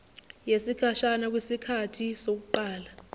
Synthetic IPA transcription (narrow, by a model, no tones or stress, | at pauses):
jesikʰaʃanak̬wisikʰatʰisok̬uǃaːla